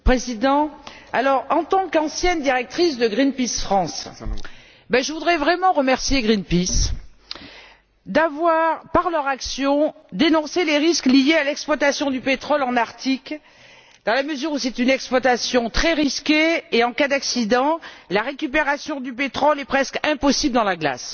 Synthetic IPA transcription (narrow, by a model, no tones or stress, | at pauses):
pχezid̪ɑ̃a̰lɔʁɑ̃t̪ɑ̃kɑ̃sjɛnd̪iʁɛk̚t̪χisd̪əɡʁinpisfχɑ̃s | bɛʒəvud̪ʁɛvʁɛmɑ̃ʁəmɛʁsjeɡʁinpis | d̪avwaʁpaʁlœʁaksjɔ̃d̪enɔ̃seleʁisklijealɛksplwat̪asjɔ̃d̪ypet̪χɔlɑ̃naʁt̪ʰik | d̪̥ɑ̃laməzyʁusɛt̪ynɛksplwat̪asjɔ̃t̪χɛʁiskʲeːɑ̃kad̪aksid̪ɑ̃laʁekʲypeʁasjɔ̃d̪ypet̪χɔlɛpχɛskɛ̃pɔsibləd̪ɑ̃laɡla̰s